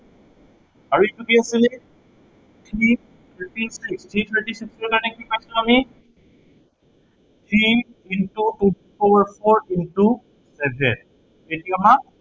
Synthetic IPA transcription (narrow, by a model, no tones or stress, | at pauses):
aɹuetuɡiasile | tʰɹi | tʰəʈisikstʰɹitʰəɹʈisiksɛkanekipajsilami | tʰɹi | intutu | owaɹpʰoɹinʈu | sɛbʱɛ̰n | etʰikama